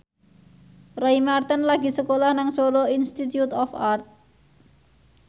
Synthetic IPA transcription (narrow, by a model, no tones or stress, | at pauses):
rajmart̪ənlaɡi̤səkolahnaŋsoɾoinst̪it̪jut̪ɔfart̪̚